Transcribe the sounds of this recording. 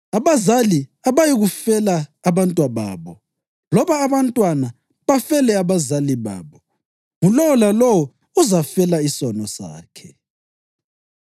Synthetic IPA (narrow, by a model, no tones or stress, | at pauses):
aβazaliaβajiɣufɛlaːβantʼwaβa̰ːβɔ | lɔβaːβantʼwana | βafɛlɛaβazaliβa̰ːβɔ | ŋulɔwɔlalɔwɔ | uzafɛlaisɔnɔsa̰ːkʰɛ